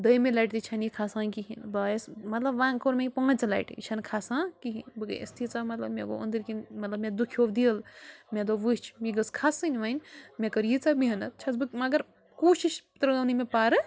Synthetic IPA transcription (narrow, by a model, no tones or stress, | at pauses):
d̪əjmelajʈt̪it͡ʃʰɐnikʰasãːkiɦḭnbɐsmɐt̪lɐbʋãːŋkʰoɾmeipɐ̃ːt͡sla̰jʈʰḭt͡ʃʰɐnkʰasãːkiɦinbɨɡɨ̰ʔḛst̪ʰit͡samɐt̪lɐ̰bmeɡo̰ṵnd̪ɨɾkinmɐt̪lɐbmed̪ukʰioʋd̪ilmed̪oʋɨt͡ʃʰmiɡɐskʰasɨnʲʋɐnʲmekɐɾjit͡sabiɦɐnɐt̪̚t͡ʃʰɐt͡sbɨkmɐɡɐɾ | kuːʃiʃpt̪ɾɐɡɐwnimepaːɾɨ